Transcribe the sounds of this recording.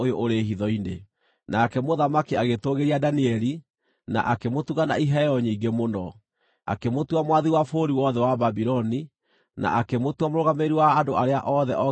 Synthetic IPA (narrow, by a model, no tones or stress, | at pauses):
ojoʔoɾeɦiðɔine | nakɛmoðamakiaɣetoɣeɾiadaniɛɾi | na̰ʔakemotuɣana̰iɦɛɔɲiːŋɡemonɔ | a̰kemotuamwaðiwafoːɾiwɔðɛwababiɾɔni | na̰ʔakemotwamoɾoɣameɾiwaːdoaɾeaʔɔðɛ̰ʔɔ